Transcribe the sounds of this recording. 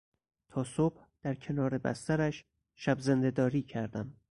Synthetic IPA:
t̪ʰɒːsob̥hd̪̥æɾcʰe̞nɒːɾe̞bæ̰st̪æɾæʃ | ʃæbze̞nd̪e̞d̪ɒːɾiːcʰæɾd̪æm

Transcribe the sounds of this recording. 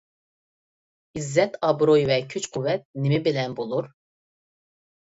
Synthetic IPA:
izːɛt̪ʰɑbɾojvɛkʰyt͡ʃqʰuvɛt̪̚nemɪbilɛnbolˠuɾ

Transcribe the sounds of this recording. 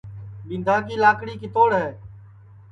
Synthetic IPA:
ɗĩːnd̪ʱaːk̬iːlaːkɽiːkit̪oːɽɦɛː

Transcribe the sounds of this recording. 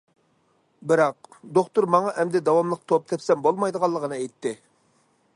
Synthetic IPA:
bɪɾɑq̚d̪oχt̪uɾmɑŋɑʔɛmd̪ɛd̪ɑwɑmlˠəq̚t̪ʰop̚t̪ʰɛpsɛmbolˠmɑjd̪əʁɑlˠːəʁənɨɛjt̪ːɪ

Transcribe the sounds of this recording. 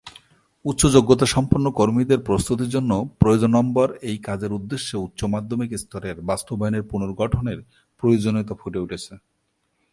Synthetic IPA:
ut̪ːɕod͡ʑoɡːot̪̬aʃɔmpoɾnokoɾmid̪eɾpɾost̪ut̪̬iɾd͡ʑonːopɾojod͡ʑonɔmboɾejkad͡ʑeɾud̪ːeʃːeut̪ːɕomad̪ʱːomekist̪ɔɾeɾbast̪obʱajoneɾpunoɾɡɔʈʰoneɾ | pɾojod͡ʑonit̪afuʈeuʈʰet͡ɕʰe

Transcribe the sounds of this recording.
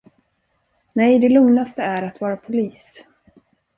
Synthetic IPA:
nɛjd̪ɛlɵŋnast̪əæɾat̪vɑːɾapʰʊliːs

